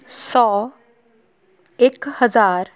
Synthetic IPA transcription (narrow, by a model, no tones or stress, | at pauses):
sɔː | eːkhəzaːɾ